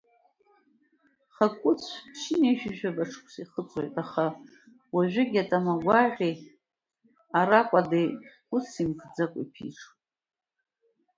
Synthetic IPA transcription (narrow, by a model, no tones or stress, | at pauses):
χakʷʼʊt͡sʷʰʃɪnejʃᶣɪʒᶣabaʈ͡ʂʰkʷʰsiχət͡sʼwojtʼaχa | waʒʷᶣɪɡʲatʼamaɡʷaʁʲej | aɾakʷʼadej | ʊt͡simkʰʼd͡zakʷʼḭpʰḭʈ͡ʂ